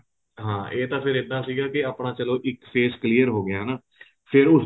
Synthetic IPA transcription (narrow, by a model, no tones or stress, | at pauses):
ɦãːeːt̪ãːpʰɪɾɪd̪ːãːsiːɡaːkɪaːpɳãːt͡ʃəloːʔɪkpʰeːskliːəɾɦoːɡɪjãːnaː | pʰɪɾʊs